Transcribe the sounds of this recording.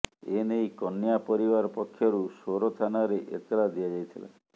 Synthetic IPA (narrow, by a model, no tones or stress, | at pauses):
enejkɔnjapɔɾibaɾɔpɔkʰːjɔɾusoɾot̪ʰanaɾeʔḛt̪ɾad̪ijad͡ʒajt̪ʰila̰